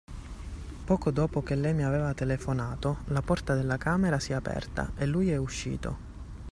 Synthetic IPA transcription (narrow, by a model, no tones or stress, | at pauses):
pɔːkod̪oːpok̟elːɛjmiavɛːvat̪elefonaːt̪olapɔrt̪ad̪elːakaːmeɾasiapɛ̰rt̪a̰ʔelːujɛuʃːḭːt̪o̰